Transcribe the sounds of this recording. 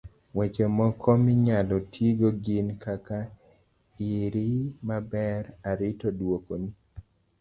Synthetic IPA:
wɛt͡ʃɛmɔkʰɔmɪɲalɔtʰjiɡoɡinkaka | ɪɾimabɛɾaɾɪtodwokoni

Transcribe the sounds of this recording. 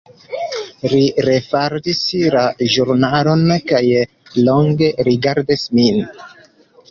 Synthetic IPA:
liɾe̞faɾdislaʒuɾnalo̞nkaj | lo̞ŋɡe̞ɾiɡaɾdismin

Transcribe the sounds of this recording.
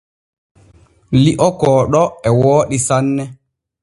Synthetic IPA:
liʔɔkɔːɗɔɛwɔːɗisanːɛ

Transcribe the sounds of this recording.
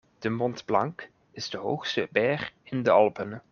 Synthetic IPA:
d̥əmɔndblɑŋk | ɪz̥dəɦo̰wxstəbɛːχɪndəɑlˠpən

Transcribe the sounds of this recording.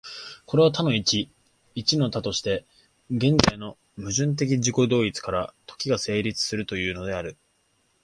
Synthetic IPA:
ko̞ɾe̞at̪ano̞it͡ɕi | it͡ɕino̞t̪at̪o̞ɕi̥t̪e̞ | ɡẽ̞nd͡zaino̞ | mɯ̟ʑɨ̃nt̪̬e̞k̬ʲiʑiko̞d̪o̞ːit͡sɨ̥kaɾat̪o̥kʲiɡase̞ːɾʲit͡sɨ̥sɨɾɯ̟t̪o̞jɯ̟ːno̞d̪e̞aɾɯ̟

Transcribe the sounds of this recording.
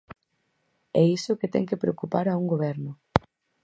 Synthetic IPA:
ɛisʊkɪt̪ɛ̰ŋkepɾeokupaɾɐuŋɡoβ̞ɛɾnʊ

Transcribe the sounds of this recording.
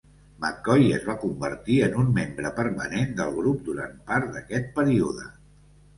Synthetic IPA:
məkɔjəzβakumbəɾt̪iənunmembɾəpəɾmənend̪əlˠɣɾup̚d̪uɾa̰npaɾt̪d̪əkɛt̪̚pəɾiuðə

